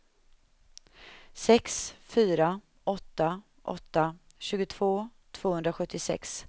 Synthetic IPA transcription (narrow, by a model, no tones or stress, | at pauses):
sɛksfyːɾa | ɔt̪ːa | ʔɔ̰t̪ːa | ɕʉ̟ːɡʊt̪ʰv̥oː | t̪ʰv̥oːhɵnd̪ɾaɧɵt̪ʰːɪsɛ̰ks